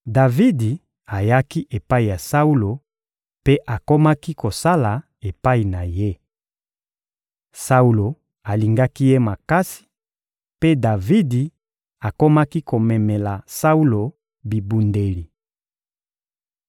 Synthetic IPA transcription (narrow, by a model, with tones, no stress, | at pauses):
da˨vi˦di˨ | a˨ja˦ki˦ʔe˨pa˦i˨ja˨sa˦u˦lo˨ | pe˦ʔa˨ko˦ma˦ki˦ko˨sa˦la˨ | e˨pa˦i˨na˨je˦ | sa˦u˦lo˨ | a˨li˨ŋɡa˦ki˦je˦ma˨ka˦si̥˨ | pe˦da˨vi˦di˨ | a˨ko˦ma˦ki˦ko˨mɛ˨mɛ˨la˨sa˦u˦lo˨ | bi˨bu˨nde˨li˨